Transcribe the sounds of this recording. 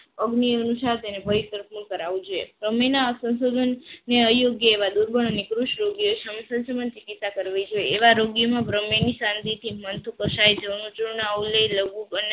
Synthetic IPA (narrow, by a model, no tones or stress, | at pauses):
əɡniənusaɾt̪enebʱəiɾt̪əɾpʰmukəɾaʋũd͡ʒoḛbɾəmenasə̃ñsod̪ʱənːeəjoɡjəeʋad̪uɾbʱəɳ̃ənikɾuʃɾoɡijoeʃəmsənsəmant͡ʃikit̪sakəɾʋid͡ʒoeeʋaɾoɡjəmãbɾəmenisãnd̪it̪ʰimənt̪ʰukəʃajd͡ʒnũt͡ʃuɳɳauləjləɡũbəne